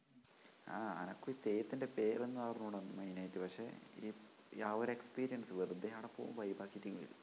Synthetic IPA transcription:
a̰ːɐ̰nɐkːuit̪eːjɐt̪ːinde̞pe̞ːrenːɨtaːrɐnːuuɽenːɨmɐjnaːjitːɨpɐkʂe̞iː | aːʋoɾekspiːɾijɐnsɨʋerɨd̪ːeɦaːɽɐpːoːʋṵmʋɐjbaːkːitʲːiŋːiḭlṵ

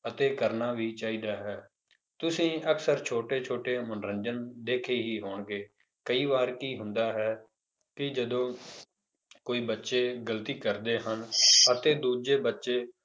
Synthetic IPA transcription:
ət̪eːkəɾnaːʋiːt͡ʃaːiːd̪aːɦɛː | t̪ʊsĩːəksəɾt͡ʃʰoːʈeːt͡ʃʰoːʈeːmənɾənd͡ʒənd̪eːkʰeːɦiːɦoːɳɡeː | kəiːʋaːɾkiːɦʊnd̪aːɦɛː | kɪd͡ʒəd̪õː | koːiːbətːʃeːɡəlt̪iːkəɾd̪eːɦənət̪eːd̪uːd͡ʒeːbətːʃeː

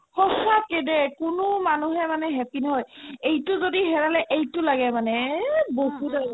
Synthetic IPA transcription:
hɔsakedɛkʊnʊmanuɦɛmanɛɦɛpinɦɔjejtʊzodiɦɛɹalɛʔejtʊlaɡɛmanɛbokuda

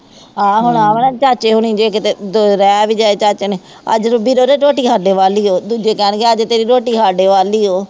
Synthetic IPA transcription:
ɦãːɦʊɳãːmnɛ̃t͡ʃaːt͡ʃeːɦʊɳ̃ĩːd͡ʒeːkt̪ed̪oɾɛːʋiːd͡ʒaːeːt͡ʃaːt͡ʃːneː | ə̰d͡ʒɾbiːɾoːɾeːɾoːʈiːkʰaːɖeːʋaːliːɦoːd̪uːd͡ʒeːkɛːɳɡeəd͡ʒt̪eːɾiːɾoːʈiːkaːɖeːʋaːliːɦoː

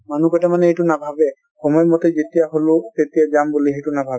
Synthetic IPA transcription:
manukɔtamanɛejtʊnabʱabɛ | xɔmɔjɔmɔtezetijaɦolʊtetijazambuliɦejtʊnabʱabɛ

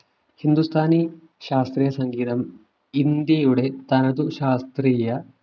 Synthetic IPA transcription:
hind̪ust̪ʰaːni | ʃaːst̪ɾiːjɐsɐŋɡiːt̪ɐm | ind̪jeːjuɽet̪ɐnɐd̪uʃaːst̪ɾiːjɐ

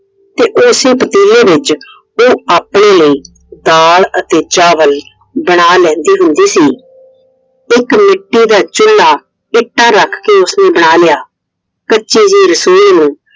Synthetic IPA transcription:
t̪eːʔoːseːpət̪iːleːbɪt͡ʃ | oːaːpɽ̃eːləiː | d̪aːlət̪eːt͡ʃaːʋəl | bəɽ̃aːlɛ̃ːnd̪iːɦʊ̃nd̪iːsiː | ɪkmɪʈːiːd̪aːt͡ʃʊlːaː | ɪʈːaːɾəkʰkeːʊsnẽːbəɽ̃aːlɪjaː | kəːt͡ʃiːd͡ʒiːɾəsoːiːnũː

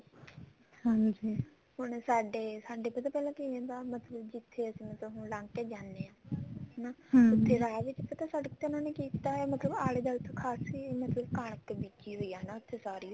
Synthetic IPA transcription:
hãːd͡ʒi | hʊɳsaːɖeːsaːɖeːpət̪aːpɛːlãːkiːẽːnd̪aːmət̪ləbd͡ʒɪt̪ʰːeːəsĩːmət̪ːɦʊɳlãːŋkeːd͡ʒaːndeːãːnaːʊt̪ʰːeːɾaːʋɪt͡ʃpət̪ãːsəɖəkt̪eːʊnãːneːkiːt̪aːmət̪ləbaːleːd̪aːʊt̪ʰːekʰaːsimət̪ləbkaːɳ̃əkbiːd͡ʒiːɦoːiːaːɦnaːʊt̪ʰːeːsaːɾiː

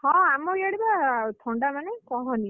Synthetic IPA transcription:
hɔ̃amɔjaɽibat̪ʰɔɳɖamanekɔ̃ɦɔ̃ni

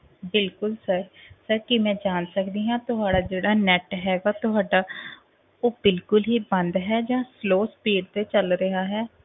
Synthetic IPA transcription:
bɪlkʊlsəɾsəɾkɪmɛ̃ːd͡ʒaːnsəkd̪iːɦãːt̪ʊɦaːɽaːd͡ʒeːɽaːnɛʈɦɛːɡaːt̪ʊɦaːɖaː | oːbɪlkʊlɦiːbənd̪ɦɛːd͡ʒãːsloːspiːɽt̪eːt͡ʃəlɾəɦaːɦɛː

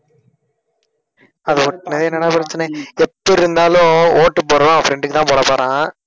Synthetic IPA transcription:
ɐðɯʊʈːɐnɐðɛnːɐnːaːpɪɾɐt͡ʃːɐnɛɛpːɔɾɪɾɯnd̪aːlʊ̃oːʈːɯpːoːɾõːɐfɾɛɳɖɯkːɯt̪ãːpoːɽɐpːoːɾãː

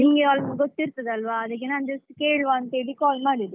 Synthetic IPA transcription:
iŋɡealmɐɡot̪ːiɾt̪ɐd̪ɐlʋaːd̪ɐk̬ːenand͡ʒɐsʈkeːɽʋaːnt̪ɐeɽikaːlmaːɽid̪e

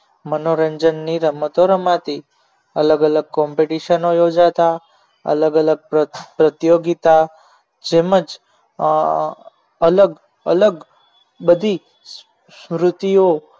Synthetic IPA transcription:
mənoɾəɲd͡ʒənːiɾəmət̪oɾəmat̪i | ə̰ləɡələɡ̚kɔmpeʈiʃənojod͡ʒat̪a | ə̰ləɡələɡ̚ppɾət̪joɡit̪a | d͡ʒeməd͡ʒ | ələɡ | ə̰ləɡ | bəd̪ʱi | smɾʊt̪io

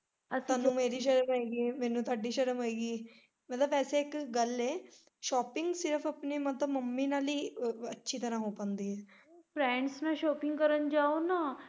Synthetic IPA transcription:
əsaːnːũːmeːɾiːʃəɾəmaiːɡiːmɛːnũːt̪oaːɖiːʃəɾəmoiːɡiː | mət̪ləbɛːseːɪkɡəleː | ʃɔːpɪ̃ŋɡsɪɾəpʰəpneːmət̪ləbməmːiːnaːliːətːʃʰiːt̪əɾãːɦoːpə̃ːnd̪iːɛː | bɾɛ̃ːɳɖsnẽːʃɔːpɪ̃ŋɡkəɾənd͡ʒaːoːnaː

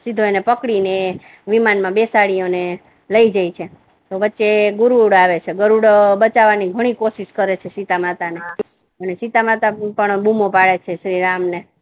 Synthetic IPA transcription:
sid̪ʱoenepəkɽine | ʋimanmãbesaɭijone | ləid͡ʒajt͡ʃʰe | t̪oʋətːʃeɡuɾuɽaʋet͡ʃʰeɡəɾuɽbət͡ʃaʋaniɡʱəɽ̃ikoʃiʃkəɾet͡ʃʰesit̪amat̪ane | ənesit̪amat̪apəɳbumopaɭet͡ʃʰeʃɾiɾamne

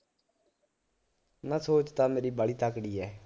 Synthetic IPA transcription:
naːsoːt͡ʃt̪ãːmeːɾiːbaːɭiːt̪aːkɽiːɛː

